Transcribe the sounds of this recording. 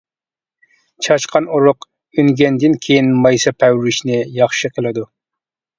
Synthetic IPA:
t͡ʃʰɑt͡ʃqɑnuɾʊq | yŋɡʲɛnd̪ɪnkʲʰejinmɑjsɨpʰɛwɾɪʃnɪjɑχʃɨqʰəlˠɨd̪u

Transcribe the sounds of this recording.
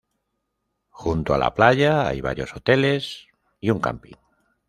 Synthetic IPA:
xunt̪oala̰plaʝaa̰jβa̰ɾjo̞sot̪e̞le̞s | iuŋka̰mpḭŋ

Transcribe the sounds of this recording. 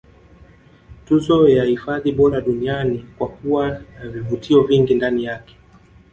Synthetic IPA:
tuzɔjahifaðiɓɔɾaɗunianikwakuwanavivutʰiɔviŋɡindanijakɛ̥

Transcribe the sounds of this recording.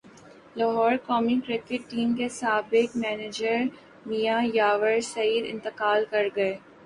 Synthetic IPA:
lɐɦɔːɾkɔːmikɾɪkɪʈːiːmkesaːbɪkmɛːneːd͡ʒəɾ | mijajaːʋəɾsɐiːɾɪ̰̃nt̪ɪqaːlkɐɾɡɐeː

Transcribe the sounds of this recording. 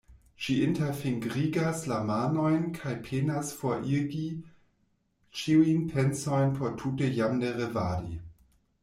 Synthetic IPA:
ʃiʔɪntefiŋɡʁiːɡaslamaːnojnkʰajpʰeːnasfɔʔiɡi | t͡ʃiwinpʰɛnsojnpʰotʰutejamneʁeva̰ːdḭ

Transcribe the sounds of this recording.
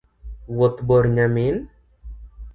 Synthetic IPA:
wot̪bɔɾɲamin

